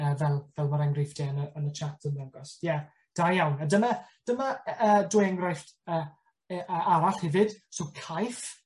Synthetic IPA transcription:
əːvɛlˠvɛlˠmaɾɛŋɡrɪfd̥ɛənəənət͡ʃʰatʰənaɡɔsjɛ | d̥ajjawnadəmad̥əmaəːdʊːjɛŋɡrajftəː | əʔəːaɾaɬhɛvɨd̥sokʰajf

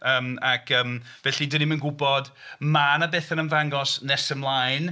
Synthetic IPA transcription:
əːmakʰəːmvɛɬidənimənɡʊbɔdmanabeːθənənvaŋɡɔsnɛsəmlˠajn

